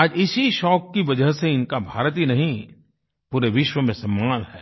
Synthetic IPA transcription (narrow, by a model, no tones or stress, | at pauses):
aːd͡ʒɪsiʃɔːkːiʋɐd͡ʒəɦseɪnkabʱaːɾət̪inɐɦĩ | puːɾeʋɪʃwəmẽsɐ̃mːaːnɦɛː